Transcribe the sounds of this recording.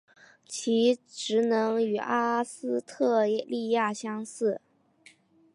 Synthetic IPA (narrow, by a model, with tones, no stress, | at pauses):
t͡ɕʰi˧˥ʈ͡ʂɻ̩˧˥nɤ˧˥ŋy˨˩a˥sɹ̩˥t̪ʰɤ˥˧ɛ˥˧li˥˧ja˥˩ɕjɑ˥ŋsɹ̩˥˩